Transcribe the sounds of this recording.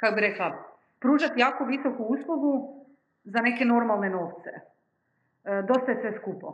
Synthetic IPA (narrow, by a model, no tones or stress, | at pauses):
kakobiɾe̞klˠa | pɾuːʒat̪jaːkoʋiso̞kuuslˠuɡu | zane̞ke̞no̞ɾmalˠne̞no̞ːʋt̪se̞̰ | d̪o̞st̪ajesʋe̞skupo̰